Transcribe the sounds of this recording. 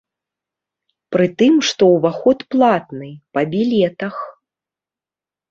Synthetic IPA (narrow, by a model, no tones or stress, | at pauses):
pɾɨt̪ɨmʂt̪ɔwvaxɔt̪plˠat̪nɨpɐbʲilʲɛt̪ɐx